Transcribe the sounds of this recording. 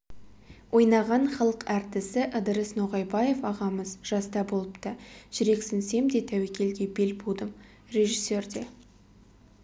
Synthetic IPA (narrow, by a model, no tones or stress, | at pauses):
wʔo̞jnɑʁɑɴχɑlˠəqæɾt̪ɪsɪʔəd̪əɾəsnoʁɑjbɑje̞fɑʁɑməzʒ̥ɑst̪ɑbolˠəpt̪əʒ̥ʏɾe̞ksɪnse̞md̪e̞t̪ʰæwekʲe̞lɡʲe̞be̞lbud̪əm | re̞ʒisːe̞rd̪e̞